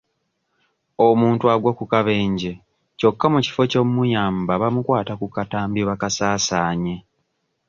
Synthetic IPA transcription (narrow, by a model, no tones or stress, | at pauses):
omuːntuaɡwakukaβe̞ːɲɟe̞ | co̞kːamuci̥fo̞comujaːmbaβamukwaːtakukataːmbiβakasaːsaːɲe̞